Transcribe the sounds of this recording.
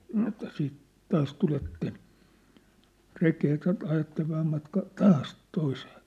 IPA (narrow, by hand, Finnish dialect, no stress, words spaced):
sɑno etːæ siːt tɑːs tuletːen rekeː jɑ tɑ ɑjɑtːeʋ ʋæhæm mɑtkɑː tɑːs toiseː